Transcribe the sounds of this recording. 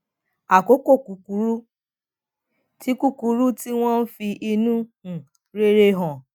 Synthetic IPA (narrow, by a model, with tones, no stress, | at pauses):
a˨ko˨˦ko˦˨ku˨ku˨˦ɾu˦ | ti˦ku˦ku˨ɾu˦ti˦w̃ɔ̃˦n̩˦fi˧ʔi˧nũ˦˨ | ɾe˦ɾe˦ɦɔ̃˨